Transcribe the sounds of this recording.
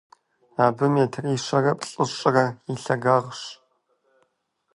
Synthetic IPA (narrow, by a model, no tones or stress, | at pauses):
aːbɨmeːtʰriːɕɐrɐpʼɬʼɨɕʼɐrɐiɬɐɡaːʁɕ